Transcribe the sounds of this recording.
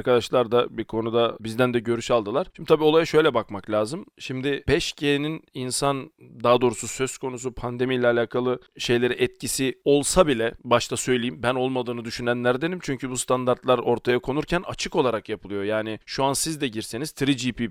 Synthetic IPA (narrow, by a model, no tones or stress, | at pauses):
ɾkʰad̪aʃlˠaɾd̪abikʰo̞nud̪abizd̪ænd̪ɛɟø̞ɾyʃalˠd̪ɯlˠaɾ̥ʃimd̪it̪ʰabio̞lˠajaʃø̞jlʲɛbakmaklʲaːzɯmʃimd̪ɪbɛʃcʰenininsand̪aːd̪o̞ːɾususø̞skʰo̞nus̬upʰand̪e̞mijlʲɛːlʲaːkʰalˠɯʃe̞jlʲe̞ɾiʔɛt̪̚cʰisio̞lˠsabilʲɛbaʃt̪ʰasø̞jlʲejimbæno̞lˠmad̪ɯːnɯd̪yʃynænlʲæɾd̪enimt͡ʃʰyɲcʰybust̪ʰand̪aɾt̪lˠaɾo̞ɾt̪ʰajakʰo̞nuɾcʰæna̰t͡ʃʰɯko̞lˠaɾakjapʰɯlˠɯjo̞jaːnɪʃuansizd̪ɛɟiɾse̞niz̥t̪ʰɾid͡ʒipi